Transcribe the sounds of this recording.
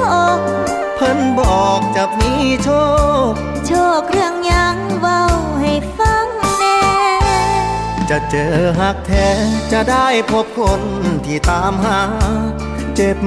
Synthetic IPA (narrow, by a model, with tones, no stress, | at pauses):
ʔo˧˩k̚ | pʰɤ˧˥˨nbɔː˨˩k̚t͡ɕa˨˩k̚miː˧˥t͡ɕʰoː˥˩k̚ | t͡ɕʰoː˧˩k̚ɾɯ˥˩əŋɲa˧˥ŋwa˧˩w | ha˨˩jfa˧˥ŋnɛː˧ | t͡ɕa˧˩t͡ɕɤː˨˩ɦa˧˥k̚t̪ʰɛː˧˥t͡ɕa˧˩daː˥˩jpʰo˦˥p̚kʰo˧˥nt̪ʰiː˧˩t̪aː˨˦mɦa˧˥ | t͡ɕe˨˧˩p̚